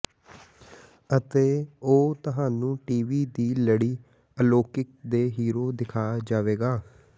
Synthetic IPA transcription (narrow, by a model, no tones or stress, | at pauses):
ət̪eːoːt̪əɦaːnũːʈiːʋiːd̪iːləɽiː | əloːkɪk̚d̪eːɦiːɾoːd̪ɪkʰaːd͡ʒaːʋeːɡaː